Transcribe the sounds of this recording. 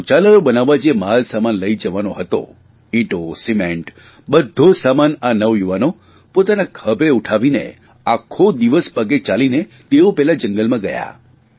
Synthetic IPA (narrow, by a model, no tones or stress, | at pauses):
t͡ʃaləɾobənaʋːad͡ʒemalsamanləid͡ʒəʋanoɦət̪o̰ | ĩʈosimẽɳʈ | bəd̪ʱːosamananəʋjuʋano | pot̪anakʰəbʱeuʈʰaʋinḛ | akʰːod̪iʋəspəɡet͡ʃaline | t̪eopɛɦlad͡ʒəŋɡəlmãɡəja̰